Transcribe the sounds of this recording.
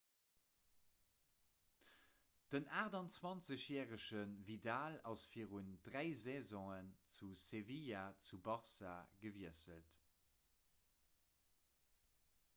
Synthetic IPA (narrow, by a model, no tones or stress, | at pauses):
d̥ənaːʁdɑnt͡swɑnt͡səɕjɛːʁəʃənvidaːlɑsfiːəʁundʁæɪzɛzɔ̃ŋənt͡susevijat͡subɑʁsa̰ɡəviəsəlt